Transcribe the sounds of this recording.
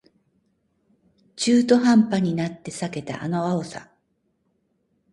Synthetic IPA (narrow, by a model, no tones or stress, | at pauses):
t͡ɕɨːt̪o̞ɦãmpaɲ̟inat̪ːe̞sake̞t̪a̰ʔa̰no̞aosa̰